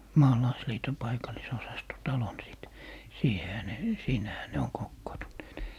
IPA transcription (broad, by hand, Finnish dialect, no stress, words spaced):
mɑːlɑisliːto pɑikɑlːisosɑsto tɑlon siˑt siːhehæ ne siːnæhæ ne oŋ kokːoːntunːeːt